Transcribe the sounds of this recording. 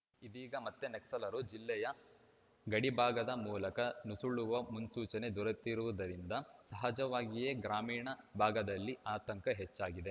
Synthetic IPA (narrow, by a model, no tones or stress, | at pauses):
id̪iːɡɐmɐt̪ːeneksɐlɐɾud͡ʒilːɛjɐ | ɡɐɽibʱaːɡɐd̪ɐmuːlɐkɐnusuɭuʋɐmunsuːt͡ʃɐne̞d̪uɾɐt̪ːiɾuʋɐd̪ɐɾind̪ɐsɐɦɐd͡ʒɐʋaːɡijeɡɾaːmiːɳɐbʱaːɡɐd̪ɐlːiʔaːt̪ɐŋkɐɦet͡ʃːaːɡid̪e